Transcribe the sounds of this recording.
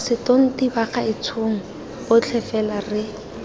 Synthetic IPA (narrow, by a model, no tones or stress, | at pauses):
sɪtoŋ̩tibaχaɪt͡sʰuŋ̩ | b̥ʊt͡ɬʰɛfɛlarɪ